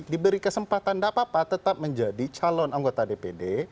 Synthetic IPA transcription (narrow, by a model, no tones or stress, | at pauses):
dibəɾikəsəmpat̪andapapat̪ət̪ap̚məɲd͡ʒadit͡ʃalɔnaŋɡot̪adepede